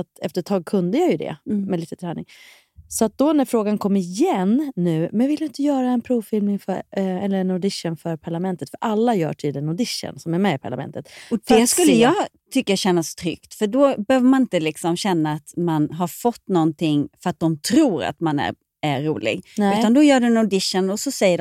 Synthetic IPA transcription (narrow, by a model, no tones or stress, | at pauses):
at̪ɛft̪əɾʈʰɑːɡ̚kʰɵnd̪əjajɵd̪ɛ̰mɛliːt̪ət̪ʰɾɛːnɪŋ | sɔat̪̚d̪ɔnæɾfɾoːɡankʰɔmːəɪjɛnːʉ̟ːmɛnvɪljaɪnt̪əjœːɾaɛnpʰɾuːvfɪlmɪŋfœɛlːəɾɛnʊd̪ɪʂənfœɾpʰaɭamɛnt̪ət̪fœɾʔalːajœ̰ːʈʰyːd̪lɪənʊd̪ɪʂə̰nsɔmæɾmɛɪpʰaɭamɛ̰nt̪ət̪ɔd̪ɛskɵlːəjɑɡ | t̪ʰʏkːəaɕɛnːast̪ʰɾʏ̰kt̪fœɖɔbɛhøːvəɾmanɪnt̪əlɪksɔmɕɛnːaːt̪manɦaɾfɔt̪ːnɔnt̪ʰɪŋːfœɾat̪̚d̪ɔmt̪ʰɾuːɾa̰t̪manæ̰ɾ | æɾːuːlɪ̰ɡnʉ̟ːand̪ɔjœːɖʉnɔd̪ɪʂənɔsɔsɛjːəɖ